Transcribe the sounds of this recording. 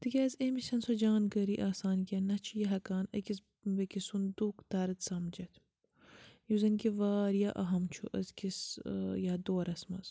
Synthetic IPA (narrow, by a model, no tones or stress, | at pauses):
t̪ɨkʲezemisɐnsod͡ʒaːnɡɐɾiʔaːsaːnkʲɐnɐt͡ʃʰijɐɦɐkaːnɐkis | bɐkisund̪uːkt̪aːɾɐt̪sɐmd͡ʒɐt̪ʰ | juzɐnkiʋaːɾjaʔɐɦɐmt͡ʃʰṵʔɐ̰zkisjad̪oːɾɐsmɐz̥